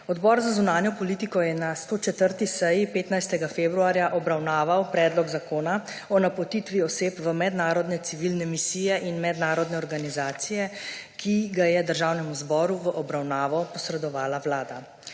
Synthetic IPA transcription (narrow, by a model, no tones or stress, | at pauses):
ɔd̪bɔɾzazunaːnjɔpɔliːt̪ikɔjɛnast̪oːt͡ʃɛt̪əɾt̪isɛjipeːt̪najst̪ɛɡafeːbɾuaːɾjaʔɔbɾawnaːʋawpɾɛːd̪lɔɡzakoːna | ɔnapɔt̪it̪ʋiɔseːpʋəmɛd̪naːɾɔd̪nɛt̪siʋilnɛmisijɛʔinmɛd̪naːɾɔd̪nɛɔɾɡanizaːt̪sijɛ | kiɡajɛd̪əɾʒaːwnɛmuzbɔːɾuʋəʔɔbɾawnaːʋɔpɔsɾɛd̪ɔʋaːlawlaːd̪a